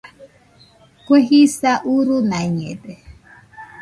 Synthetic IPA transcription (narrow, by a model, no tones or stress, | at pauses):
kweɦisaʔuɾunaɲɛ̰dɛ